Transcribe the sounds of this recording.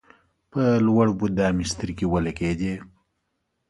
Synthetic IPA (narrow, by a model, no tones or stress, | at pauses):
pəlwaɽbud̪ɑːmist̪əɾkiwɐlɐked̪e